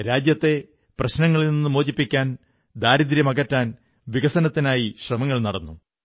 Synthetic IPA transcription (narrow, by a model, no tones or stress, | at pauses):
ɾaːd͡ʑjɐt̪ːe̞ | prɐɕnɐŋːɐɭilninːɨmo̞ːd͡ʑipːikʲːaːn | d̪aːɾid̪ɾjɐmɐɣɐtːaːn | ʋiɣɐsɐnɐt̪ːinaːjiɕrɐmɐŋːɐɭnɐɽɐnːu